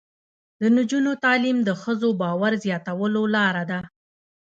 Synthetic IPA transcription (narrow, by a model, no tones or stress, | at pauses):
d̪̥ənʊd͡ʒunot̪ɑlimd̪əxəzobɑwaɾzjɑt̪awəlolɑɾad̪a